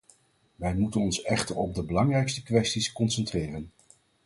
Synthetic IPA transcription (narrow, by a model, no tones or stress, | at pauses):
ʋɛjmutənɔnsɛχtəɹɔb̚dəbəlɑŋrɛjkstə̥kʋɛstiskɔnsɛntrɪːrən